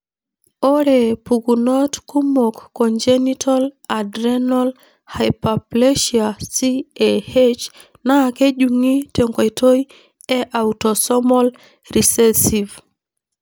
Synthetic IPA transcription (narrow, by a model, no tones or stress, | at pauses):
oɾepuɡunɔtkumokːɔnd͡ʒenitʰaladɾɛnɔl | hajpaplɛʃiasieet͡ʃ | nakeʄuŋiteŋkwajtoj | ɛʔautɔsɔmɔl | risɛsiv